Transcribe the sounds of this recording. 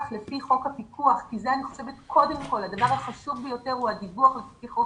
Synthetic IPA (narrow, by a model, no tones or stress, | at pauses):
χlefiχo̞khapikʰuaχkizeaniχo̥se̞vet̪kʰo̞de̞mko̞lhadavaʁhaχaʃuvbejo̞te̞ʁuadibuaχleffiχok